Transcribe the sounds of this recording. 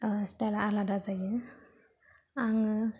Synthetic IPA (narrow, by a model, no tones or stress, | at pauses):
stalaaɾladazajɯ | aŋɯ